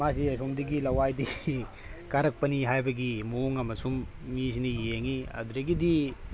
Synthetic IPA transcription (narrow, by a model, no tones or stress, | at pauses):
masiɐs̬omdiɡilɐwajdi | kaɾɐk̚pɐniɦajbɐɡimoŋɐmɐsumː | is̬inijeeŋiɐ̰duɾɐɡidi